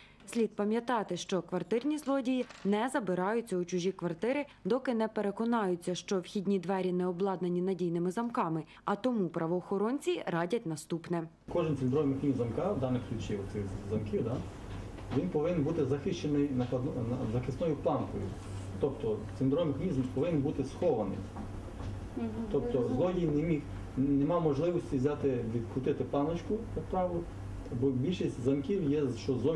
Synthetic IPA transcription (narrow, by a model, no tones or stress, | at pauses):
sʲlʲid̪̚pɐmʲjɐt̪ɑt̪ɪʃt͡ʃɔkʋɐrt̪ɪrnʲizlˠɔdʲijinɛzɐbɪɾɑjʊt͡sʲːɐʊt͡ʃʊʒʲikʋɐrt̪ɪɾɪ | d̪ɔkɪnɛpeɾekɔnɑjʊt͡sʲːɐʃt͡ʃɔwxʲidʲnʲid̪ʋɛɾʲinɛɔblˠɑd̪nɐnʲinɐdʲijnɪmɪzɐmkɑmɪ | ɐt̪ɔmupɾʔɐʋɔːxɔɾɔnʲt͡sʲiɾɑdʲɐtʲnɐst̪upnɛ | kɔʒɪnt͡sʲind̪ɾɔʋmɪxnʲizɐmkɑwd̪ɑnɪxklʲut͡ʃiɔt̪sɪxzɐmkʲiwd̪ɑ | ʋʲinpɔʋɪnenbut̪ɪzɐxɪʃt͡ʃenɪjnɐpɐd̪nɔnɐzɐxɪsnɔjʊplˠɑnkɔjʊ̰ | t̪ɔpt̪ɔt͡s̪ʲind̪ɾɔʋmexɐnʲizmpɔʋɪnnbut̪ɪsxɔʋɐnɪ̰j | t̪ɔp̚t̪ɔzˠɔjijnemʲix | nɛmɑwmɔʒlˠɪʋɔsʲtʲiʋzʲat̪ɪʋʲid̪kɾʊt̪ɪt̪ɪplˠɑnɐt͡ʃkʊt̪ɐspɾɑʋ̪ʊ | bɔbʲilʲʃisʲtʲzɐmkʲiwjɛʃt͡ʃɔzɔ